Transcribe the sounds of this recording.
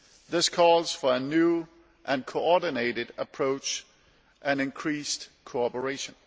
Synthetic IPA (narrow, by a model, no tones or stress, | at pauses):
ðɪskʰɔːlz̥fə˞ənjuː | ʔæ̃nkʰoɔdɪneɪɾɪdəpʰɹ̥oʊt͡ʃ | ʔæ̃nɪ̃nkʰɹ̥iːsd̥kʰoɑpəɹeɪʃə̃n